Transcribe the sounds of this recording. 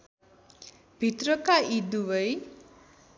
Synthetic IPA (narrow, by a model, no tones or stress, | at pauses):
bʱit̪rʌkaid̪uwəj